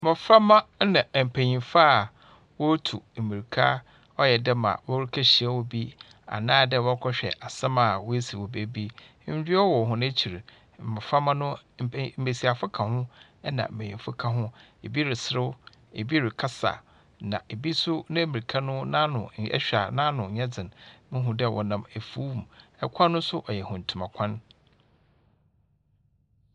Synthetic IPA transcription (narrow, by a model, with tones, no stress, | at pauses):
mɔ˨fɾa˦mã˦nã˨m̩˨pʰæ˨ɲĩ˨faː˦˨ | wɔ˦tʰu˨m̩˨mi˨i˨kʰa˦ | ɔ˦jɛ˨dɛ˦ma̰˨wɔ˦ɾi˦kʰa˦ɕi˨a˦˨wɔ˨bi˦ | a̰˨nãː˦dɛ˦˨wɔ˦kʰɔ˦ɕᶣɛ̰˨ʔa˨sã˦mã˨wɔ˦e˦si˨wo˨be˨˦bi˦ | ɲ̩˦di˦ɔ˦wɔ˨ɦʊ̃˦nã˦t͡ɕʰi˨ɾ̩˨ | mɔ˨fa˦mã˦nʊ̃˦m̩˨m̩˦be˨si˨a˨fʊ˦kʰã˨hʊ̃˦ | ɛ˦nã̰˨m̩˨be˨ɪ̃˨fʊ˦kʰã˨ɦʊ̃˦e˨bi˦ɾɪ˨sɾɪ˦w | e˨bi˦ɾɪ˨kʰa˦sa̰˨ | nã˨ʔe˨bi˦sʊ˦nã˦mĩ˨i˨kʰa˦nʊ̃˦nã˦nʊ̰̃˨ɛ̰˦ɕᶣa˨nã˦nʊ̃˨ɲɛ̃˦d͡zɪ̃˨nmɪ̃˦ɦʊ̃˨dɪ˦˨wʔɔ̰˨nã˨me˨fuː˦˨m˨ɛ˦kʷʰa˦nʊ̃˦sʊ˦ʔɔ˨jɛ˨hʊ̃˨n̩˨tʰu˨mã˨kʷʰã˦n